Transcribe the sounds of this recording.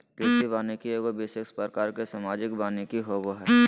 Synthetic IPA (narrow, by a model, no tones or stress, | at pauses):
k̪ɪtibaːnikieːɡobɪsekspɾəkaːɾkesamaːd͡ʒɪkbaːnikiɦoʋoɦɛː